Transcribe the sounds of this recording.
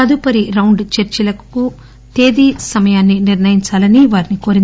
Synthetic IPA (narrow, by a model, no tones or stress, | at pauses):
ɐd̪upɐɾiɾɐwɳɖt͡ʃeɾt͡ʃilɐkku | t̪e̞ːd̪iːsɐmɐjaːnːiniɾnɐjiɲt͡ʃaːlɐniʋaːɾiniko̞ːɾin